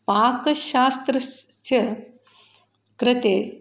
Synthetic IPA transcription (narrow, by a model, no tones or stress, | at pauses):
paːkɐʃaːst̪ɾɐst̪jɐ | kɾɪt̪eː